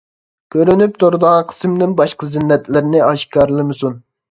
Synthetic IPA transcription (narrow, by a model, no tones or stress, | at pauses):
kʲʰøɾynyp̚t̪ʰoɾd̪ɑʁqʰə̥smd̪ɪnbɑʃqəzɪnːɛt̪lɪɾnɪɑʃkɑɾlˠɨmɨsun